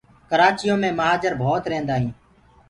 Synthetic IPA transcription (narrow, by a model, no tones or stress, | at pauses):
kəɾaːt͡ʃɪjõːmẽːməɦaːd͡ʒəɾbʱoːt̪ɾẽːnd̪aːɦĩː